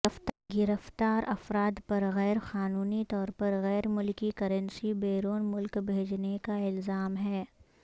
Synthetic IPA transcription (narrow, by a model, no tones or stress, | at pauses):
ɐft̪ɡɪɾəft̪aːɾʔɐfɾaːd̪pɐɾɣɛːɾxaːnuːnit̪ɔːɾpɐɾɣɛːɾmʊlkikɐɾə̃nsibeːɾoːnmʊlkbʱeːd͡ʒnekaɪlzaːmɦɛː